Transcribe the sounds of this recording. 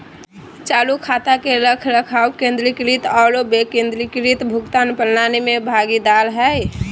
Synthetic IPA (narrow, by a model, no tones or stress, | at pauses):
t͡ʃalukʰat̪akeɾəkʰɾəkʰawkẽnd̪ɾikɾit̪aɾobekẽnd̪ɾikɾit̪bʱukt̪anpəlnanemebʱaɡid̪alɦɛj